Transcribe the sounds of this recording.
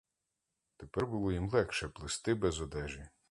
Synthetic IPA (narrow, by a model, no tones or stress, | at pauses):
t̪epɛrbʊlˠɔjimlˠɛkʃɛplˠɪst̪ɪbɛzɔd̪ɛʒi